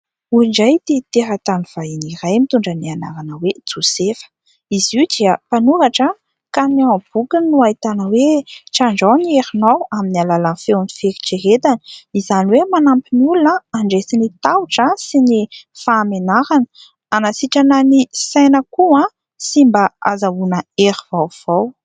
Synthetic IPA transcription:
uiɳɖ͡ʐajt̪et̪eɦat̪aniv̥ainiɾajmit̪uɳɖ͡ʐəniana̰ɾanəwed͡zusefə̥ | iziwd̪iəpanuɾaʈ͡ʂə | kaniab̥ukənuait̪anəweʈ͡ʂaɳɖ͡ʐanieɾinowaminialalanfewnifeɾi̥ʈ͡ʂeɦet̪ani̥izaniwemanampinulunəaɳɖ͡ʐesinit̪awuʈ͡ʂəsinifaːmenaɾanə̥ | anasiʈ͡ʂananisajnəkuã | simbaazawunəeɾivawv̥aw

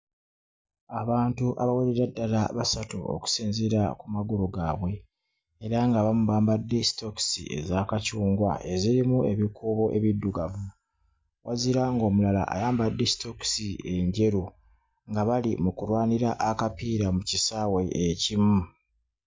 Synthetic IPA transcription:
aβaːntuʔa̰βaweɾeɾadːala̰βasatṵo̰ku̥siːnzeɾa̰kumaɡuɾuɡaːβwe̞ː | ɾaŋɡaβamuβaːmbadːe̞si̥to̞ksḭʔe̞̰zaːkacuːŋɡwa̰ʔe̞ziɾimue̞βikʰuːβo̞ʔe̞βidːuɡavu | waziɾaŋɡo̞ːmulala̰ʔa̰jaːmbadːesi̥toksie̞ɲɟe̞ɾu | ŋɡaβalimukulwaːniɾaʔːkapiːɾamucisaːwe̞ʔecimu

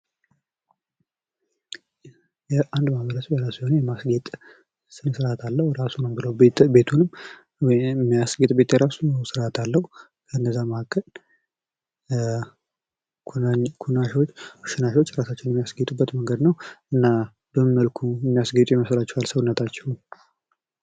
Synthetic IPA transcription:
jɛʔand̪maβəɾəsbjɛɾasihonejɛmasɡet̪ʼ | sɨnɨsɾat̪ʰalːəhuɾasunəmbɨləwbe̞t̪ʰunɨm | mːijasɡet̪ʼbe̞t̪jɛɾasunsɨɾat̪ʰalːəhu | kʰənːəzːaməhkʰːəl | kʰunaʃot͡ʃːkuʃɪnaʃwot͡ʃːɾasat͡ʃːɪnjɛmːijasɡet̪ʼubːət̪məŋɡəd̪nəwɨnːa | bəmɨməlkʰujɛmːijasɡet̪ʼjɛməslat͡ʃːɛwalsəwunːət̪ʰat͡ʃːɛwu

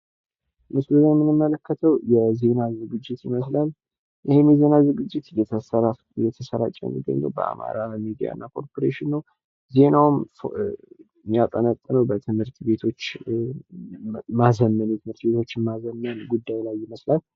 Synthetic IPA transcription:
mɨsuləzajmːɨnɨmːələkːət̪ʰəwjɛze̞nazɨɡɨd͡ʒːɪt̪jɪməs̬lal | jɪhemjɛze̞nazɨɡɨd͡ʒːɪt̪jɛt̪ʰəsəɾa | jɛt̪ʰəsəɾa̰t͡ʃʼːɛ̰nḭɡə̰ɲɡəwbə̰ʔa̰ma̰ɾaəmid̪ija̰ɨ̰nːakʰo̞ɾpʰoɾeʃinːəw | ze̞nawmf | mːijat̪ʼənət̪ʼːnəwbət̪ʰɨmhɨɾt̪be̞t̪ʰo̞t͡ʃː | mazəmːənjɛt̪ʰɨmhɨɾt̪be̞t̪ʰo̞t͡ʃːɪmazəmːənɡud̪ːajlajːɪməslal

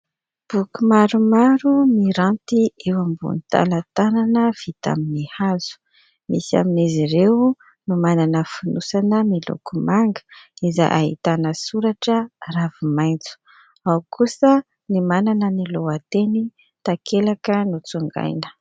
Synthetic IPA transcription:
b̥ukumaɾumaɾumiɾant̪iewambṵnit̪a̰lat̪ananəv̥it̪a̰minihaz̥u̥ | misa̰miniziɾew | numananəfunusanəmilṵkumaŋɡə̥iza̰ʔaɦḭt̪anəsuɾaʈ͡ʂəravimajnt͡su̥ | awkʰusə | nimananəniloat̪eni | t̪akʰelakənut͡suŋɡa̰jnə̥

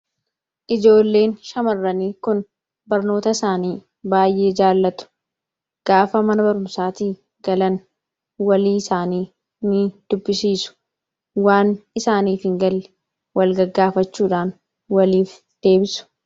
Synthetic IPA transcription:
ʔɪd͡ʒo̞ːlːe̞ːnʃɐmɐrːɐniːkʊn | bɐɾno̞ːt̪ɐɪsaːniː | baːjʔe̞ːd͡ʒaːlːɐt̪ʊ̥ | ɡ̥aːfɐmɐnɐbɐɾʊmsaːt̪iː | ɡ̥ɐlɐn | wɐliːɪsaːniː | nɪd̪̥ʊbːɪsiːsʊ̥ | waːnɪsaːniːfhɪŋɡɐlːɪ̥ | wɐlɡɐɡːaːfɐt͡ʃːuːᶑaːn | wɐliːf | d̪̥e̞ːbɪsʊ̥

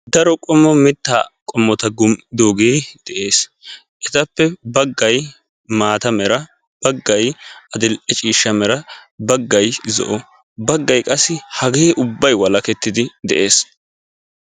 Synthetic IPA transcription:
d̪ɐɾɔkʼɔmːɔmɪt̪ːaːkʼɔmːɔt̪ɐɡʊmd̪oːɡeːd̪̥ɛʔe̞ːs | ʔɛt̪ɐpːɛbɐɡːɐj | maːt̪ɐmɛɾɐ | b̥ɐɡːɐjɐd̪ɪlʔɛt͡ʃʼiːʃːɐmɛɾɐbɐɡːɐjzɔ̰ʔɔ | bɐɡːɐjkʼɐsːɪhɐɡeːʔʊbːɐjwɐlɐkɛt̪ːɪd̪ɪd̪ɛ̰ʔe̞ːs

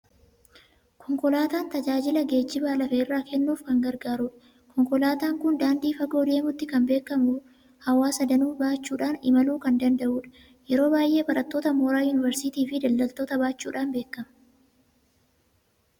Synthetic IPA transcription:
kʰɔŋkɔlaːt̪aːnt̪ɐd͡ʒaːd͡ʒɪlɐɡe̞ːt͡ʃːɪbaːlɐfɛɪrːaːkʰɛnːuːfkɐŋɡɐɾɡaːɾuːᶑɐ | kɔŋkɔlaːt̪aːŋkʊnd̪aːnd̪iːfɐɡo̞ːd̪e̞ːmʊt̪ːɪkɐnbe̞ːkːɐmʊ | hɐwaːsɐd̪ɐnuːbaːt͡ʃːuːᶑaːnɪ̰mɐluːkɐnd̪ɐnd̪ɐʔuːᶑɐ̥ | jɛɾo̞ːbaːjʔe̞ːbɐɾɐt̪ːo̞ːt̪ɐmoːɾaːjʊnɪvɛɾsɪt̪iːfɪd̪ɐld̪ɐlt̪oːt̪ɐbaːt͡ʃːuːᶑaːnbe̞ːkːɐmɐ

